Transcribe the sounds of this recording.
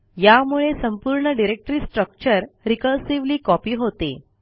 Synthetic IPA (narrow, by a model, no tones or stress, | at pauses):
jamuɭesəmpuɾɳəɖiɾek̚ʈɾiːsʈɾək̚t͡ɕəɾɾikəlsiʋliːkɔpiːɦot̪ḛ